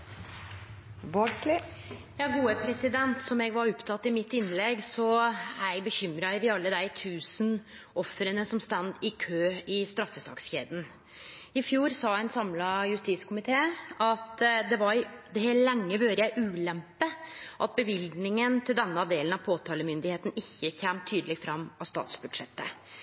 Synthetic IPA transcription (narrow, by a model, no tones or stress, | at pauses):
ʋoːɡslɪ | jɑːɡuːəpʰɾɛsɪd̪ɛnt̪sɔmɛɡʋɑɾɔpt̪ʰɑt̪ːɪmɪt̪ːɪnlɛɡsɔæɛɡbəçʏmɾɑʋɪɑlːəd̪æɪt̪ʰʉːsən | ʔɔfɾənəsɔmst̪ɑnd̪ɪkʰøːɪst̪ɾɑfːəsɑ̰ksçḛːd̪n̩ | ɪfjuːɾsɑːænsɑmlɑjʉst̪iskʰʊmɪt̪ʰeːɑt̪d̪ɛʋɑɾd̪ɛhæːɾlɛŋːəʋøːɾəjæɪʔʉːlɛmpəʔɑt̪̚bəʋɪlɡ̪nɪŋənt̪ʰɪld̪ɛnːəɑʋd̪eːlənɑʋpʰoːt̪ʰɑːləmʏnd̪ɪheːt̪n̩ɪçːəçɛmt̪ʰyːd̪əlɛɡfɾɑmːɑst̪ɑ̰ːt̪sbʉd̪ʂɛt̪ːə̰